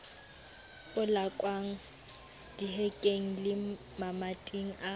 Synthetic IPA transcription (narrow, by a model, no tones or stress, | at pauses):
ʊlakʼwaŋ̩ | d̥iɦɛkʼeŋ̩lɪ | mamatʼiŋ̩ʔa